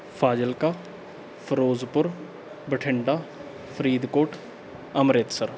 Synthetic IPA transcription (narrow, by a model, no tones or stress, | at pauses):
pʰaːd͡ʒəlkaː | pʰəɾoːzpʊɾ | bəʈʰɪɳɖaː | pʰɾiːd̪koːʈ | əmɾeːt̪səɾ